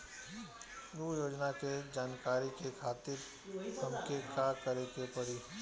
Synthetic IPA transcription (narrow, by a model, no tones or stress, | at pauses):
nuːjoːd͡ʒnaked͡ʒaːnkaːɾikekʰaːt̪ɪɾ | hɐmkekakɐɾekepɐɾi